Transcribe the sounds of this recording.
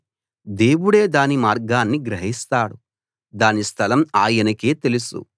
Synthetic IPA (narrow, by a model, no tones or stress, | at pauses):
d̪e̞ːwuɽe̞ːd̪aːnimaːɾɡaːnːiɡɾɐɦist̪aːɽu | d̪aːnist̪ʰɐlɐmaːjɐnɐkeːt̪e̞lusṵ